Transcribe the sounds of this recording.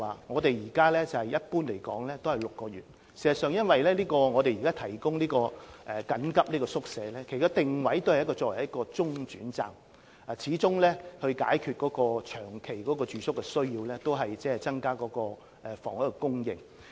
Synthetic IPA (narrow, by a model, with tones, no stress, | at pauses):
waː˨ŋɔː˨˧t̪e˨jiː˨˩kaː˥lɛː˥t͡sɐ˨hɐ˨jɐ˥t̚puː˥nle˨˩jkɔ̰ː˨˥ŋlɛː˥t̪o˥whɐ˨jlʊ˨kːɔː˧ɥyː˨t̚ | siː˨˩zɐ˨sœː˨ŋjɐ˥nwɐ˨jlɛː˥liː˥kɔː˧ŋɔː˨˧t̪e˨jiː˨kaː˥t̪ʰɐ˨˩jkʊ˥ŋliː˥kɔː˧ʔɛ˨kɐ˨˥nkɐ˥p̚niː˥kɔː˧sʊ˥k̚sɛː˨˧lɛː˥kʰe˨˩kaː˥t̪ɪ˨ŋwɐ˨˥jt̪o˥whjɐ˥kɔ˧t͡sɔː˧wɐ˨˩jɐ˥tkɔː˧t͡sʊ˥ŋt͡ʃyː˨˥nt͡sa̰ː˨˩ŋ | a˨t͡sʰiː˨˥t͡sʊ˥ŋlɛː˥hɵ˧ɥka̰ː˨˥jkʰy˨˧t̚kɔː˨˧˥kɔː˧t͡ʃʰœː˨˩ŋkʰe˨˩jkɔː˨˥kɔː˧t͡ʃyː˨sʊ˥kːɛ˧sɵ˥ɥjiː˧wlɛː˥t̪o˥wɦɐ˨jt͡sɛː˥ɛ˨t͡sɐ˥ŋkaː˥kɔː˨˥kɔː˧ | ʔɛ˨fɔ̰ː˨ŋɐ˨˥kɛ˧kʊ˥ŋjɪ̰˨ŋ